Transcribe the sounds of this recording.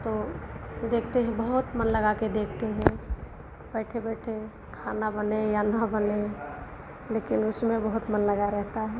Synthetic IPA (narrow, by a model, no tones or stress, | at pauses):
t̪o | d̪eːkʰt̪eɦɛ̃bəɦʊt̪mənləɡaked̪eːk̚ʰt̪eɦɛ̃ | bɛːʈʰebɛːʈʰe | kʰaːnabənejanəbəne | leːkɪnʊsmẽbəɦʊt̪mənləɡaɾɛɦt̪aɦɛː